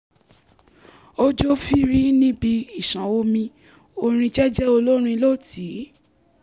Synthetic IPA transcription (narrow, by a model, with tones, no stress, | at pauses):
o˦d͡ʒo˦fi˦ɾi˦nĩ˦bi˧i˦˨ʃã˨o˧mĩ˧ | o˧ɾ̃ĩ˧d͡ʒɛ˦d͡ʒɛ˦o˧lo˦ɾ̃ĩ˧lo˦˨tʰi˨˦